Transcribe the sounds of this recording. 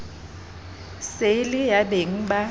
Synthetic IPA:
selijabiŋba

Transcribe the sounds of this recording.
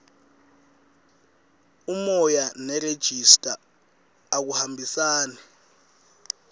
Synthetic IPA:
umɔjanɛred̥ʒ̥ʱistʼaː | k̬uhambʱisaːnɛ

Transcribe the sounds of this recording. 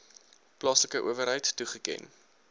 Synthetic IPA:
plɑsəkəʔuəvəɾɦəjtːuχəkɛ̰n

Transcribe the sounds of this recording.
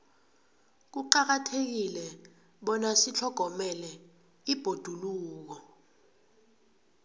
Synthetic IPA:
k̬uǃak̬atʰek̬ilɛ | ɓɔnasit͡ɬʰɔɡ̥ʱɔmɛlɛ | ib̥ʱod̥ʱuluːk̬ɔ

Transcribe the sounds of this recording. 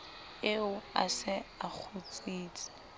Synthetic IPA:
ɪʊa̰sɪak͡xʰʊt͡sʼiːt͡sʼɪ̥

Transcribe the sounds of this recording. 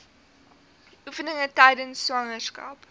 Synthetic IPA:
ʔufənəŋətɐjdənsːʋɐŋərskɐ̰p

